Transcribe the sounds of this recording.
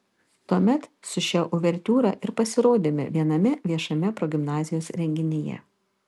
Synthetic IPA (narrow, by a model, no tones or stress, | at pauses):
t̪uɔmʲɛt̪sʊʃʲɛʔʊʋʲɛɾʲt̪ʲuːɾɐ̰ʔɪɾpɐsʲɪɾoːd̪ʲɪmʲɪ̰ʋʲiɛnɐmʲɛʋʲiɛʃɐmʲɛpɾɔɡʲɪmnɑːzʲɪjoːsɾʲɛŋʲɡʲɪnʲɪjɛ̰